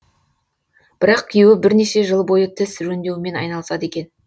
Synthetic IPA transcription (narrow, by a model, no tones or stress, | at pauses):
b̥ɪɾɑqkʲʰijuwɪbɪɾne̞ʃe̞ʒəlˠbo̞jət̪ʰɪsʒɵnd̪e̞wɪme̞nɑ̰jnɑlˠsɑd̪e̞kʲe̞n